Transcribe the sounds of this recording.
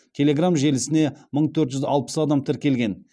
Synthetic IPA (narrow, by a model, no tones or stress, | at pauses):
t̪ʲʰelʲe̞ɡramʒe̞lɪsɪne̞məɴt̪ʰɵɾt̪ʒʏzɑ̰lˠpə̥sɑd̪ɑmt̪ʰɪɾkʲe̞lɡʲe̞n